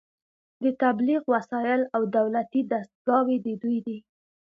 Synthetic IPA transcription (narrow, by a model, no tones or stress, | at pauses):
d̪ət̪abliɣwasɑjɪlawd̪awlat̪id̪ast̪̚ɡɑwed̪əd̪ujd̪i